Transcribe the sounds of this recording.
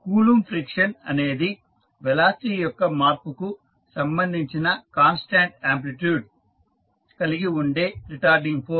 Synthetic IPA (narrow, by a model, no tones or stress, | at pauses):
kuːlumpʰɾikʂɐnɐ̰ne̞ːd̪i | ʋɛlaːsiːjɔkːɐmaːɾpuku | sɐmbɐnd̪ʱiɲt͡ʃinɐkaːnsʈaːɳʈaːmp̬liʈjuːɖ | kɐliɡiuɳɖeːɾiʈaːɾɖiŋɡpʰoː